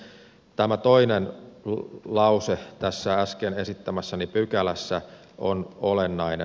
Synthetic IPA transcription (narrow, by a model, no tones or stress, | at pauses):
t̪æmæt̪oinen | lɑuset̪æsːææskenesit̪ːæmæsːænipykælæsːæ | onolenːɑine